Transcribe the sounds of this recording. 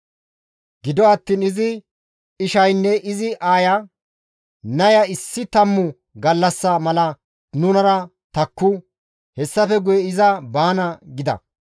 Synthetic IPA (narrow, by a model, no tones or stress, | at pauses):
ɡɪd̪ɔɐt̪ːiːnɪzɪ | ɪʃɐjnːɛʔɪzɪʔaːjɐ | nɐjɐɪsːɪt̪ɐmːʊ | ɡɐlːɐsːɐmɐlɐ | nʊnɐɾɐ | t̪ɐkːʊ | hɛsːɐfɛɡʊjɛɪzɐbaːnɐɡɪd̪ɐ̰